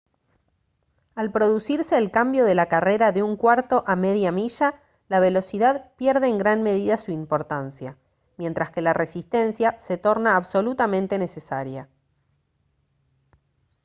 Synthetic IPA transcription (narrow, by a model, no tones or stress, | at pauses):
alpɾo̞ðusiɾse̞ːlkambjo̞ðe̞lakare̞ɾaðeuŋkwaɾt̪o̞ʔame̞ðjamiʒa | laβ̞e̞lo̞siðaðpjɛɾðe̞ːŋɡɾanme̞ð̞iðasuimpo̞ɾt̪ansja | mje̞nt̪ɾaske̞lare̞sist̪e̞nsjase̞t̪o̞ɾnaːβso̞lut̪amẽ̞nt̪e̞ne̞sesaɾja